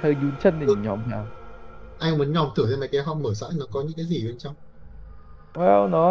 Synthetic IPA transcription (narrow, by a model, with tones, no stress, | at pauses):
t̪ʰə˧˩ɲu˨˦nt͡ɕə˧˩nɗi˨˩˨ɲɔ˨˩mɦaː˨˩wʔa˧ŋmə˨˦nɲɔ˨˩mt̪ʰɨ˧˩t̪ə˧˩ma˨˩jka˨˦ɦɔ˧ŋ͡mməː˧˩sa̰ː˧˥nɔ˨˦kɔ˨˦ɲɨ̰˧˥ŋkaː˨˦jzi˨˩ɓe˧nt͡ɕɔ˧wŋ͡m | waː˧˩nɔ˨˦